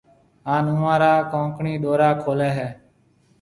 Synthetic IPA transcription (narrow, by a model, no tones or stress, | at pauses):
ɦaːnʊ̃ːãːɾaːkõːŋkɳiːɗ̪oːɾaːkʰoːlɛːɦɛː